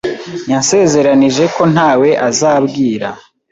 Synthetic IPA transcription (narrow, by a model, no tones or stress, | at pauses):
ɲanse̞ːze̞ɾaniʒe̞ko̞n̥aːwe̞ʔazaːbɡiːɾa